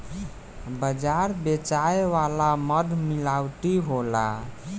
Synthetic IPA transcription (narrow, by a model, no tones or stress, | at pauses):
bəd͡ʒaɾbet͡ʃaeʋalaməd̪ʱmilawʈ̪iɦola̰